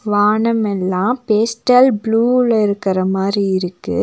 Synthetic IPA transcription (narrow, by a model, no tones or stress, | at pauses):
ʋaːɳɐmɛlːãːpeːsʈɐlbluːɭɐɪɾɯkːɐrɐmaːd̪ɾiɪɾɯkːɯ̰